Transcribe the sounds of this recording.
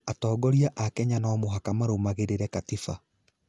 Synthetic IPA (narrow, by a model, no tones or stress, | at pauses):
atɔːɡɔɾiaʔakɛɲanaːmoɦakamaɾomaɣeɾeɾɛkatifa